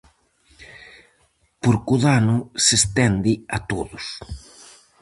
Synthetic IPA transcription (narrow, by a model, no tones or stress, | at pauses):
poɾkuðanʊsest̪ɛnd̪ɪat̪oðʊs